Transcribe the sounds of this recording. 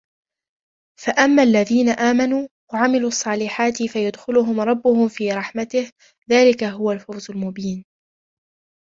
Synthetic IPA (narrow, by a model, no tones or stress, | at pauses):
faʔamːaːʔlːaðiːnaʔaːmanuːwaʕamɪluːɑsˤːɑːlɪħaːt̪ɪfajʊd̪xɪlʊɦʊmɾˤɑbːʊhʊmfiːɾˤɑħmat̪ɪh | ðaːlɪkaɦʊwalfawzʊlmʊbiːn